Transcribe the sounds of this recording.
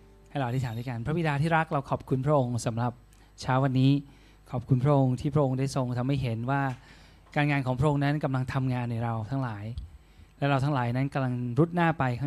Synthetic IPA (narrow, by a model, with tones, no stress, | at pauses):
ha˥˩jlɔ˨˩t̪aː˥˩tʰaː˨˦ndɯː˥˩ka˧npʰɾa˦˥bi˨˧˩daː˧t̪ʰiː˥˩ɾa˦˥k̚ɾa˧wkʰɔː˨˩p̚kʰu˧npʰɾa˦˥ʔo˧ŋsa˩˦mɾa˨˩p̚ | t͡ɕʰaː˦˥wa˧nːiː˦˥ | kʰɔː˨˩p̚kʰu˧npʰɾa˦˥ʔo˧ŋt̪ʰiː˥˩pʰɾa˦˥ʔo˧ŋdaː˥˩jso˧ŋt̪ʰa˧mha˥˩jɦe˩˦nwaː˥˩ | kaː˧nŋaː˧nkʰɔː˨˩˦ŋpʰɾa˥ʔo˧ŋna˦˥nka˧mla˧ŋt̪ʰa˧mŋaː˧nːa˧˩jɾa˧wt̪ʰa˦˥ŋlaː˩˦j | lɛ˦˥wɾa˧wt̪ʰa˦˥ŋlaː˩˦jna˦˥nka˧mla˧ŋɾu˦˥t̪̚naː˥˩pa˧jkʰaː˥˩